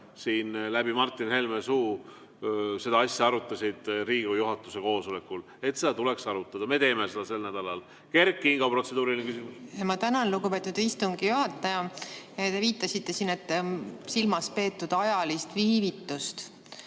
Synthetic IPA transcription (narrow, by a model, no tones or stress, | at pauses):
siːnlæbimɑrt̪ˑːinhe̞lmesuː | se̞d̪ɑɑsʲjɑɑɾut̪ːˑɑsʲid̪̥riːɡ̥ujuɦɑt̪ːˑuse̞ko̞ːso̞le̞kːˑul | e̞t̪ːse̞d̪ɑt̪ule̞ksɑɾut̪ːˑɑd̪̥ɑme̞t̪e̞ːmese̞d̪ɑse̞lnæd̪̥ɑlɑl | ke̞rkːˑiiŋɡ̥ɑpro̞t̪se̞d̪uːɾilʲiŋkysimusemɑt̪ænɑnluɡupe̞t̪ːˑud̪ist̪uŋɡijuɦɑt̪ːˑɑjɑjɑt̪e̞viːt̪ːˑɑsit̪ːe̞siːne̞t̪ːsilmɑspe̞ːt̪ːud̪̥ɑjɑlist̪viːvit̪ːˑust̪